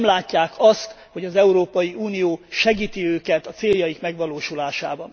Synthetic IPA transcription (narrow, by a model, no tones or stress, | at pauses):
mlaːcːaːkʰɒst̪ | ho̞ɟɒzɛuɾoːpɒjiuːnijoːʃɛɡiːt̪iøːkɛt̪ɒt̪seːljɒjikmɛɡʋɒloːʃulaːʃaːbɒn